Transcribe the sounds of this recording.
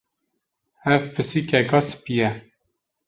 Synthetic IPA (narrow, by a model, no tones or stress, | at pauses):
ɛvpʰɨsikʰɛkɑsɨ̥pijɛ